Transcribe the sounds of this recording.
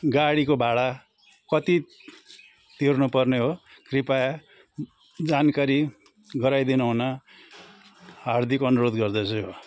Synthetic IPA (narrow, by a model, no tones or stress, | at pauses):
ɡaɽikobʱaɽa | kʌt̪i | t̪irnupʌrneɦokripaj | d͡zankaɾi | ɡʌɾajd̪inaɦuna | ɦard̪ʱikʌnuɾod̪ɡʌrd̪ʌt͡sʰuɦo